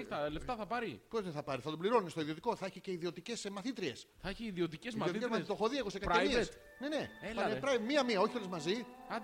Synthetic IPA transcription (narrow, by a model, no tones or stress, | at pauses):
t̪ɐleft̪ɐθɐpɐɾipo̞zðeθɐpɐɾiθɐt̪obliɾo̞nist̪o̞iðio̞t̪iko̞θɐeçice̞iðio̞t̪ice̞smɐθit̪ɾie̞sθɐeçiːðiot̪iceziot̪ezmɐst̪oxoðieɣosekɐɾemiees | ne̞ne̞eɐnepɾɐimiɐmiɐo̞çit̪olezmɐzi